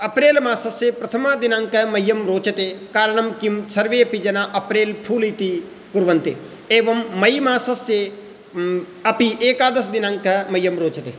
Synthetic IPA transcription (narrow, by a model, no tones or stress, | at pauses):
ɐpɾeːlmaːsɐsjepɾɐt̪ʰɐmaːd̪inaːŋkɐmɐjːɐmɾoːt͡ʃɐt̪eːkaːɾɐɳɐmkimsɐɾʋeːɐpid͡ʒɐnaːʔɐpɾeːlpʰuːlit̪i | kuɾʋɐnt̪e | eːʋɐmːɐjmaːsɐsje | ɐpiʔeːkaːd̪ɐsd̪inaːŋkɐmɐjːɐmɾoːt͡ʃɐt̪eː